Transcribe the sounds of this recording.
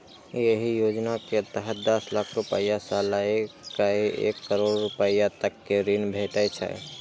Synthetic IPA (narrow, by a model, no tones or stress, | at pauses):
jeɦijod͡ʒnaket̪əɦəd̪əslakʰɾupə̰jasalaekaiʔḛkːəɾoɽːupəjat̪əkːeɾinbʱeʈət͡ʃʰɛ̰